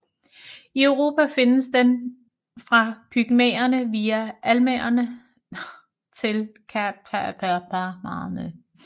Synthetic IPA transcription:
iœʊʁo̝ːpʰæfe̝nəsd̥en | fʁɑ̈b̥ʰyɡ̥mḛːɐnəʋiːæʔælmeɐnə | t͡sʰe̝lkʰpʰæb̥ɑmɑ̈ːð̩ˠnøð

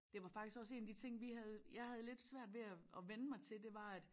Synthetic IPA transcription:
d̥e̝ʋɑ̈fɑ̈ɡ̥d̥isɡ̥ɒ̽se̝̰ːnæd̥it͡sʰe̝ŋ̰ʋiɦæð̞ˠjɑ̈ɪɦæð̞ˠle̝d̥sʋæɐ̰d̥ʋe̝æɒʋenəmɑ̈ɪt͡sʰe̝ld̥e̝ʋɑ̈æd̥

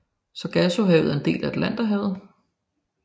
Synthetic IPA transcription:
sɒ̽ɡ̥æso̝ɦɛʊð̩ˠe̝nd̥e̝̰ːlæed̥læn̰d̥ɐɦɛð̩ˠ

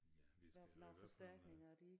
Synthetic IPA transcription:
ʋæɐf̩ɑfɒsd̥æɐ̰ɡ̥ne̝ŋɐæd̥ieɡ

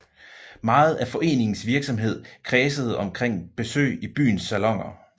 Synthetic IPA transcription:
mɑ̈ːð̞̩ˠæfɒ̽ʔe̝̰ːne̝ŋn̩sʋiɐɡ̥sɒ̽mɦe̝ð̞̰ˠkʰʁɛːsəð̞̩ˠɒ̽mkʰʁeŋ̰b̥e̝sø̰ːɪib̥y̰ːn̩sːælɒ̽ŋ̰ɐ

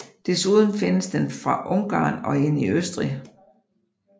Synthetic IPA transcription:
d̥esuð̞ˠən̩fe̝nəsd̥enfʁɑ̈ʔɔ̽ŋɡ̥ɑ̰̈ːnɒ̽e̝n̰iøsd̥ʁi

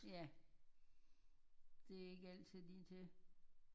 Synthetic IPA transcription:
jæ | d̥e̝æe̝ɡ̥əæl̰̥t͡sʰið̰ˠdit͡sʰe̝

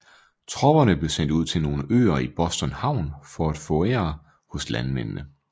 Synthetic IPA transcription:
t͡sʰʁɒ̽b̥ɐnəb̥le̝sen̰d̥uð̰ˠt͡sʰe̝lno̝ːləʔø̰ːɐib̥ɒ̽sd̥ɒnhɑ̈ʊ̰nfɒ̽æd̥fɔ̰eɐ | hɔ̽slænmennə

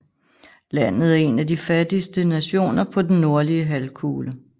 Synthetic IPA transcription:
læn̰ð̩ˠæɐe̝nædifæd̥isd̥ənæɕo̝̰ːnɐpʰɒ̽d̥en̩ːo̝ɐliəɦælkʰuːlə

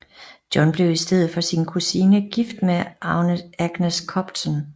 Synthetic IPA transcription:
d̥jɒ̽nb̥le̝ʊisd̥eð̰̩ˠfɒ̽sinkʰusinəɡ̥ifd̥meʔɑ̈ʊnəæɡ̥neskʰɒ̽b̥t͡sʰɒn

